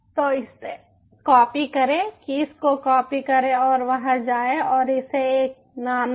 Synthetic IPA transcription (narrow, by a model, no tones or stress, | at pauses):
t̪oɪse | kɔːpikɐɾẽːkiɪskokɔːpikɐɾẽɔːɾʋɐɦãd͡ʒaːẽɔːɾɪseeːk̚ | naːm